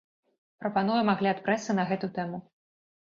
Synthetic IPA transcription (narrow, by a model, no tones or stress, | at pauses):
pɾɐpanujɐmaɣlʲiat̪̚pɾɛsɨnɐɣɛt̪ut̪ɛmu